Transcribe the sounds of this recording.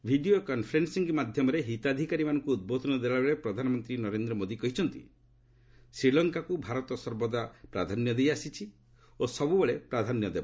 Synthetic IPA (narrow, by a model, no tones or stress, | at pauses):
bʱiɖijokɔnpʰɾensiŋɡmad̪ʱjɔmɔɾeɦit̪ad̪ʱikaɾimanɔŋkuːd̪̚bot̪ʰɔnɔd̪eaɭabeɭepɾɔd̪ʱanɔmɔnt̪ɾinɔɾend̪ɾɔmod̪ikɔɦit͡ʃʰɔnt̪ḭ | sɾilɔŋkakubʱaɾɔt̪ɔsɔɾbɔd̪apɾad̪ʱanjɔd̪ejasit͡ʃʰi | osɔbubeɭepɾad̪ʱanjɔd̪eba